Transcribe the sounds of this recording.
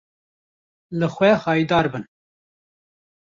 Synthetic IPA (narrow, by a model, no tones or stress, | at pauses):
lɨxʷɛxɑːjid̪ɑːɾbɨn